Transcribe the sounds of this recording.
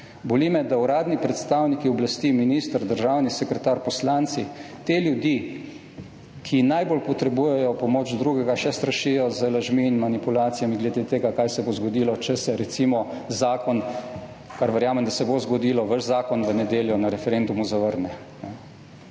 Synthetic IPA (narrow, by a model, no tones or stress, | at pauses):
bɔlimɛd̪auɾaːd̪nipɾɛt̪st̪awnikiɔblast̪iminist̪əɾd̪əɾʒawnisɛkɾɛt̪aːɾpɔslant̪si | t̪eljud̪ji | kʰinajbolpɔt̪ɾɛbuːjɛjɔpɔmoːd͡ʒd̪ɾuɡɛɡaʃɛst̪ɾaʃijɔzəlaʒmiːnmanipulaːt̪sijamiɡlɛd̪et̪eːɡakajsɛbozɡɔd̪iːlɔt͡ʃɛsɛɾɛt̪simɔ | zaːkɔn | kaɾʋəɾjaːmɛmd̪asɛbozɡɔd̪iːlɔʋəʒzaːkɔnʋənɛd̪eːljɔnaɾɛfɛɾend̪umuzaʋəɾnɛ | nɛ